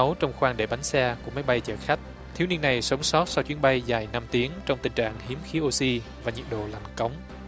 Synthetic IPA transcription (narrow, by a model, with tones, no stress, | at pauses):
ə˨˦wt͡ɕɔ˧wŋ͡mxwaː˧ŋɗe˧˩ɓa˨˦jŋ̟sɛ˧ku˧˩əma˨˦jɓa˧jt͡ɕə̰ː˧˩xa˦˥k̟̚ | t̪ʰi˨˦əwni˧nːa˨˩jsə˨˦wŋ͡msɔ˦˥t̚sa˧wt͡ɕwi˨˦ənɓa˧jza˧˩jna˧mt̪i˨˦əŋt͡ɕɔ˧wŋ͡mt̪ï˨˩ŋ̟t͡ɕa̰ː˧˨ŋhi˨˦əmxi˨˦ʔo˧si˧vaː˨˩ɲḭ˨˩əɗo̰˧˨la˨˩jŋkə˨˦wŋ͡m